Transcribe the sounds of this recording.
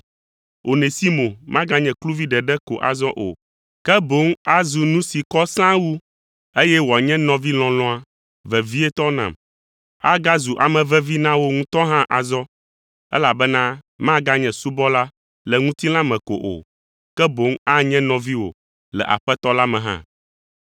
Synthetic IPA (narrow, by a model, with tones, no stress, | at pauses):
o˨ne˨si˦mõ˨mã˦ɡa˦ɲɛ̃˨klu˦vi˦ɖɛ˨ɖɛ˦ko̰˨ʔa̰˨zɔ˦ʔo̰˨ | kɛ˦bo˨˦ŋa˦zu˨nũ˦si˨kɔ˦sã˦wu˦ | e˦jɛ˦wo˨a˨ɲɛ̃˦nɔ̃˨vi˦l̃ɔ̃˨lɔ̃˦a˨ | vɛ˨vi˦ɛ˦t̪ɔ˦nã̰˨m | a˦ɡa˦zu˨ʔa̰˨mɛ̃˨vɛ˦vi˦nã˦wo˦ŋũ˦t̪ɔ˦ɦã˦ʔa˨zɔ˦ | ɛ̰˦la˨bɛ˦nã˦ | mã˦ɡa˦ɲɛ̃˨su˦bɔ˦la˦ | lɛ˨ŋũ˦t̪i˦lã˦mɛ̃˨ko̰˨ʔo̰˨ | kɛ˦bo˨˦ŋa˦ɲɛ̃˦nɔ̃˨vi˦wo̰˨ | lɛ̰˨ʔa̰˨ɸɛ˦t̪ɔ˦la˦mɛ̃˨ɦã̰˦